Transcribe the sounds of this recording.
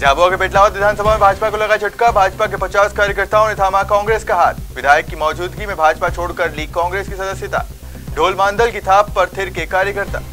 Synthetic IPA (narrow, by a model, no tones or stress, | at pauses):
d͡ʒaːbakepeːʈlaːʋət̪ʋɪd̪ʱaːnsɐbʱamẽbʱaːd͡ʒpakolɐɡat͡ʃʰɐʈkabʱaːd͡ʒpakepɐt͡ʃaːskaːɾjəkəɾt̪aɦonet̪ʰaːmakɔ̃ːŋɡɾeːskaɦaːt̪ʋɪd̪ʱaːjəkːimɔːd͡ʒuːd̪ɡimẽbʱaːd͡ʒpat͡ʃʰoːɽkɐɾliːɡ̚kːɔ̃ːŋɡɾeːskisɐd̪əsjət̪a̰ː | ɖʱoːlmãːnd̪əlkit̪ʰaːpːɐɾt̪ʰeɾkekaːɾjəkɐɾt̪a̰ː